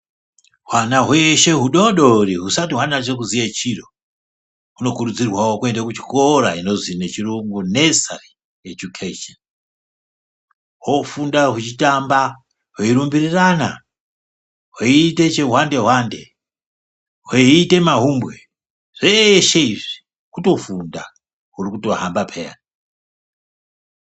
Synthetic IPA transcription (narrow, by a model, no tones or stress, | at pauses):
ɦwanaɦweʃe̞ɦuɗo̞ɗo̞ɾiɦusatiɦwanat͡ʃek̬uzijet͡ʃiro | uno̞kuɾud͡zirwawo̞kue̞ndakut͡ʃi̥koɾa̰ino̞zine̞t͡ʃiruŋɡunesa̰ri | ed͡ʒukʰeʃon | wofundaɦut͡ʃitamba | woiɾumbirirana | ɦweite̞t͡ʃeɦwande̞ɦwande̞ | ɦeite̞maɦumbwe | ʐ̥eʃeiʐi̥ | kuto̞funda | ɦurikuto̞ɦambapʰeja̰n